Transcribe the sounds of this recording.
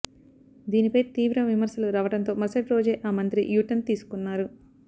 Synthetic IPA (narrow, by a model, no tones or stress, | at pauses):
d̪iːnipɐjt̪iːʋɾɐʋimɐɾsɐluɾaːʋɐʈɐnt̪o̞ːmɐsɐʈɾo̞ːd͡ʒe̞ːʔaːmɐnt̪ɾiʔjuːʈɐnt̪iːsu̥kunːaːɾu